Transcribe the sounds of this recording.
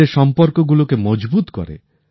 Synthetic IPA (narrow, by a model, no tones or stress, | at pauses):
esɔmpɔɾkɔɡulokemɔd͡ʒbut̪kɔ̰ɾḛ